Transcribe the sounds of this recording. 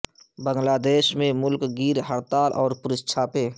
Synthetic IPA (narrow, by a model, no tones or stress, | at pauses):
bə̃ŋɡlaːd̪eːʃmẽmʊlkɡiːɾɦəɾt̪aːlʔɔːɾpʊɾɪst͡ʃʰaːpeː